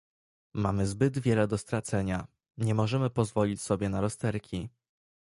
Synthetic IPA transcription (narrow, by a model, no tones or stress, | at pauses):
mamɘzbɘd̪vʲjɛlɛd̪ɔst̪ɾat̪sɛɲa | ɲɛmɔʐɛmɘpɔzvɔlʲit͡ɕsɔbʲjɛnaɾɔst̪ɛɾkʲʰi